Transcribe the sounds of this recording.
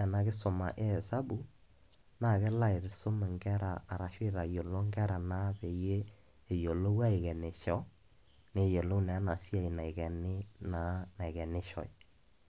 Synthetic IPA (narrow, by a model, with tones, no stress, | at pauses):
ɛ˨na˨kɪ˦sʊ˨ma̰˨ʔe˦˨sa˦bu˨ | na˦˨kɛ˦la˦ɪ˨ɾsʊ˦mɛ˨ŋɡɛ˦ɾa̰ː˨ɾa˨ʃwɪ˦ða˨jo˨lo˦ŋɡɛ˦ɾa˨na˦te˨jeː˦˨ | jo˨lo˦wa˦ɪ˨kɛ˨ne˨ʃɔ˦ | ne˦˨je˨lo˦nɛ˨˦na˨si˦a˦˨i˨na˨ɪ˨kɛ˨nɪ˦na˨˦na˨ɪ˨kɛ˨nɪ˦ʃɔ̰˨j